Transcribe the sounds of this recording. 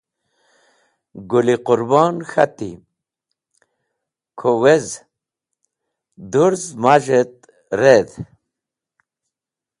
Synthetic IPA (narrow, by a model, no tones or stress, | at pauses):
ɡuliqʊɾbɑːnxa̰t̪ḭ | kʰowez | d̪uɾzmaʒet̪̚ | ɾed̪